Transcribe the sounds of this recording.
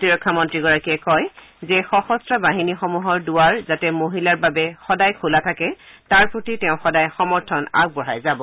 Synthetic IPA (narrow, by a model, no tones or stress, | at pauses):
tiɹɔkʰːamɔntɹiɡɔɹakiɛkɔj | zɛxɔxɔstɹabaɦinixɔmuɦɔɹdʊwaɹzatɛmoɦilaɹbabɛxɔdajkʰulatʰakɛtaɹpɹotitɛʊ̃xɔdajxɔmɔɹtʰɔna̰ɡ̚bɔɹajzabɔ